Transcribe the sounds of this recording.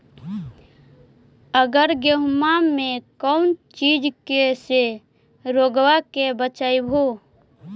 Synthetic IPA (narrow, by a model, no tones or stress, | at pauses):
əɡəɾɡeɦmamẽkəʊnt͡ʃid͡ʒkese | ɾoːɡwakebət͡ʃaibʱo